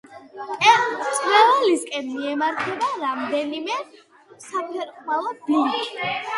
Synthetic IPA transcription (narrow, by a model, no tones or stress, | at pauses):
ɛt̪sʼɾɛvaliskʼɛnmiɛmaɾt̪ʰɛbaɾamd̪ɛnimɛ | sapʰɛɾqʼmalˠɔblin